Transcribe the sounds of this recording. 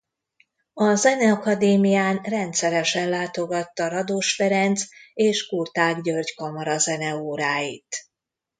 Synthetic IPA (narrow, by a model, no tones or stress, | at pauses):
ɒzɛnɛɒkɒd̪eːmijaːnrɛnt̪sɛɾɛʃɛnlaːt̪o̞ɡɒt̪ːɒɾɒd̪oːʃfɛɾɛnt̪seːʃkurt̪aːɡɟørɟkɒmɒɾɒzɛnɛoːɾaːjit̪